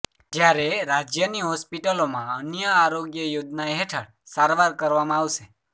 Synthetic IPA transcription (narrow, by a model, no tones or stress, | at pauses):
d͡ʒjaɾeɾad͡ʒjəniɦɔspiʈəlomãənjəaɾoɡjəjod͡ʒ̪naeɦeʈʰəɽ | saɾʋaɾkəɾʋamãaʋʃe